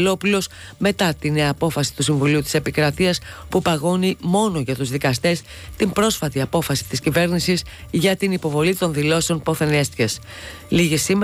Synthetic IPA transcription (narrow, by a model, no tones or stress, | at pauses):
lo̞plio̞s | me̞t̪ɐt̪ine̞ɐːpo̞fɐsi̥t̪usiɱvuliut̪i̥se̞pikɾɐt̪iɐspupɐɣo̞nimo̞no̞ʝɐt̪uzðikɐst̪e̞s | t̪imbɾo̞sfɐt̪iɐpo̞fɐsi̥t̪iscive̞ɾnisis | ʝɐt̪inipo̞vo̞lit̪o̞nðilo̞seo̞npo̞θe̞nest̪ces | liʝisim